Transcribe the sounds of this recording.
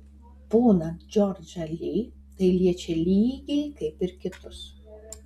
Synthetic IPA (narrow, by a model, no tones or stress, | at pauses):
b̥uːnɐt̪d͡ʒʲɔɾʲd͡ʒʲɐlʲiː | t̪ɐɪlʲiɛt͡ʃʲɛlʲiːɡʲɛɪkɐɪpɪɾkʲɪt̪ʊs